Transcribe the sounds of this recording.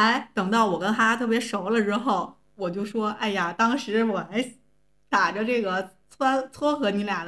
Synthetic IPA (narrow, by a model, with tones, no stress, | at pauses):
a˧˥ɪt̪ɤ˨˩ŋt̪ɑ˥˩ʊwɔ˨˩kə˥nt̪ʰa˥t̪ʰɤ˥˩p̬jɛ˧˥ʂo˧˥ʊlə˧ʈ͡ʂɻ̩˥xo˥˩ʊ | wɔ˨˩t͡ɕjo˥˩ʊʂwɔ˥ʔa˥˩ɪja˩t̪ɑ˥ŋʂɻ̩˧˥wɔ˨˩a˧˥ɪ | t̪a˨˩ʈ͡ʂə˧ʈ͡ʂɤ˥˩ɡə˩t͡sʰwa˥t͡sʰwɔ˥xɤ˧˥ni˧˥lja˨˩